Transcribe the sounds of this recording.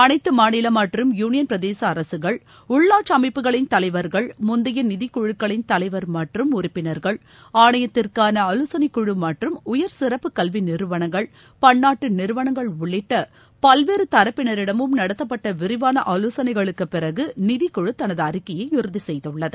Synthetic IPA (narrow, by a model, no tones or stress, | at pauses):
ɐnɐɪt̪ːɯmaːnɪlɐmɐʈrɯmjuːnɪjɐnpɾɐðeːsɐːɾɐsɯɣɐɭ | ʊɭːaːʈt͡ʃɐmɐɪpːɯɣɐɭɪnt̪ɐlɐɪʋɐɾɣɐɭmʊnd̪ɪjɐnɪðɪkːʊɻɯkːɐɭɪnt̪ɐlɐɪʋɐɾmɐʈrɯmʊrɪpːɪnɐɾɣɐɭ | aːɳɐjɐt̪ːɪrkaːnɐɐluːsɐnɐkːʊɻɯmɐʈrɯmʊjɐɾsɪɾɐpːɯkɐlʋinɪɾɯʋɐɳɐŋɡɐɭ | pɐɳːaːʈːɯnɪɾɯʋɐɳɐŋɡɐɭʊɭːɪʈːɐ | pɐlʋeːɾɯt̪ɐɾɐpːɪnɐɾɪɽɐmɯmnɐɽɐt̪ːɐpːɐʈːɐʋɪɾɪʋaːnɐʔɐluːsɐnɐɪɣɐɭɯkːɯpːɪrɐɣɯnɪðɪkːʊɻɯt̪ːɐnɐðɯɐɾɪkːɐjɐɪɪɾɯðisɛjðɯɭːɐðɯ